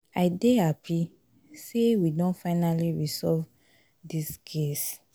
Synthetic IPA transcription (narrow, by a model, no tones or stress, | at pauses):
aɪdeapʰi | sewidõnfaɪnaliɹisɔlv | diskʰes